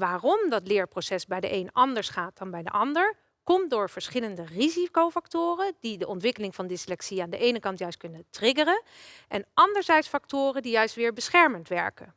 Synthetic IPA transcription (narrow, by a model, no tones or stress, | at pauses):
ʋaːrɔmdɑtlɪːɹprosɛsbɛjdə̰ʔejnɑndəɹsχaːt̚d̥ɑnbɛjdə̰ʔɑndəɹ | kɔmtdʊːɹv̥əɹsχɪləndərizikowfɑktʊːrəd̥idəʔɔntʋɪkəlɪŋvɑndɪslɛksiaːndəʔejnəkɑntjœɥst̚kɵnətrɪɡərənʔɛnʔɑndəɹzɛjtsfɑktʊːrəndijœɥstʋɪːɹbəsχɛɹməntʋɛɹkə̰n